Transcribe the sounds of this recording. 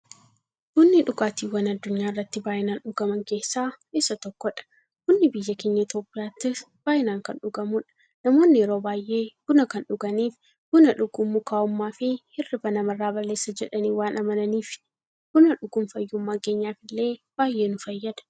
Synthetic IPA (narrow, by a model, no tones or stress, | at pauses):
kʊnːɪᶑʊɡaːt̪iːwɐnɐd̪ːʊɲːaːɪrːɐt̪ːɪbaːʔɪnaːnᶑʊɡɐmɐŋke̞ːsːaː | esːɐt̪ɔkːɔᶑɐ̥ | kʊnːɪbɪjːɐkeːɲːɐɪt̪jo̞ːpʼːɪjaːt̪ːɪs | b̥aːʔɪnaːŋkɐnᶑʊɡɐmʊᶑɐ̥ | nɐmo̞ːnːɪɛɾoːbaːjʔe̞ːɡ̥ʊnɐkɐnᶑʊɡɐniːf | ɡ̥ʊnɐᶑʊɡʊmːʊkaːʊmːaːfɪhɪrːɪbɐnɐmɐrːaːbɐlːe̞ːsːɐd͡ʒɛᶑɐniːwaːnʔɐmɐnɐniːf | ɡ̥ʊnɐᶑʊɡʊmfɐjːʊmːaːke̞ːɲːaːfɪlːe̞ːb̥aːjːe̞ːnʊfɐjːɐd̪ɐ̥